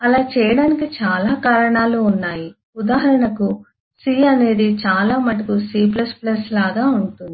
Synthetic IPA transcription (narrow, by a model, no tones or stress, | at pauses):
ɐlaːt͡ʃɛːjɐɽaːnikit͡ʃaːlaːkaːɾɐɳaːluːnːaːji | ud̪aːɦɐɾɐɳɐku | siːɐne̞ːd̪it͡ʃaːlaːmɐʈikusiːp̬lɐsplɐslaːɡaːuɳʈund̪ii